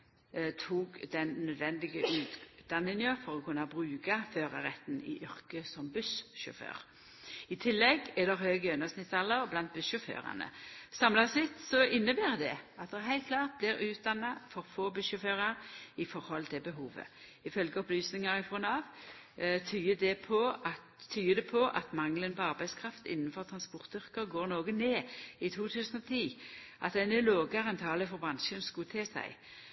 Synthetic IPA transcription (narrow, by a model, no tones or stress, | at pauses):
t̪ʰuːɡd̪ɛnnœd̪ʋɛnd̪ɪɡəʔʉːt̪d̪ɑnːɪnəfɔɾɔkʰʉnːɑbɾʉːkɑføːʁə̰ɾɛt̪nɪ̰ʔʏʁkəsɔmbʉsʃʊ̰fø̰ːʁ | ɪt̪ʰɪlːɛɡɛd̪ɛʁɦøːɡəœnːəsnɪt̪sɑlːəʁblɑnt̪̚bʉsʃʊfø̰ːʁɑ̰nə̰sɑmlɑsɪt̪sɔʔɪnːəbæːʁd̪ɛɑt̪̚d̪ɛɦæɪt̪̚kʰlɑːʁt̪̚blɪɾʉːt̪̚d̪ɑnːɑfɔɾfoːbœʃʊføːʁɑɾɪfɔɾhɔlt̪ʰɪlbəɦuːʋə̰ɪfœlɡəɔplyːsnɪŋɑɾɪfʁɔnɑːʋ | t̪ʰyːəd̪ɛpʰɔɑ | t̪ʰːyːəd̪ɛpʰɔʔɑ̰t̪mɑŋlənpɔɑʁbæɪskʰɾɑft̪ɪ̰nːənfɔʁt̪ʰʁɑnspɔʁt̪ʏʁkəʁɡoːɾnoːɡəneːɪt̪ʰuːt̪ʰʉːsənɔt̪ʰiː | ʔɑt̪̚d̪ɛnɛloːɡɑʁɛnt̪ʰɑːləfɔʁbʁɑnʃənskʊt̪ʰeːsæ̰ɪ